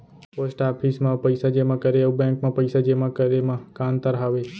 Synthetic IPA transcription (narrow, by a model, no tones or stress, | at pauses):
posʈapʰismãpəjsad͡ʒemãkəɾebɛ̃ŋkmãpəjsad͡ʒemãkəɾemãkant̪əɾɦaʋe